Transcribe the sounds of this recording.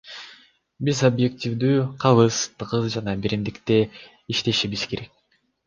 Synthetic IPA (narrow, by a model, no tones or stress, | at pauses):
bizobje̞k̚tʲivd̪yːqʰɑlɯzt̪qɯzd͡ʒɑnɑbiɾimd̪ikt̪e̞ | iʃt̪e̞ʃiβiz̥ke̞ɾe̞k̚